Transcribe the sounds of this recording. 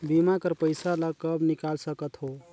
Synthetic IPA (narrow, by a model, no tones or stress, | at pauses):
bimakəɾpəjsalakəbnikalsəkət̪ɦo